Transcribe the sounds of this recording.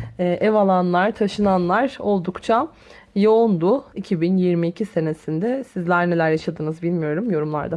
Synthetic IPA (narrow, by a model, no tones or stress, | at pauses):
ɛːʔɛvalˠanlˠaɾt̪ʰaʃɯnanlˠaɾo̞lˠd̪ukt͡ʃʰa | joond̪uicʰibinjiɾmiːcʰise̞ne̞sind̪ɛsizlʲæɾne̞lʲæɾjaʃad̪ɯːnɯzbilʲmijo̞ɾumjo̞ɾumlˠa̰ɾd̪a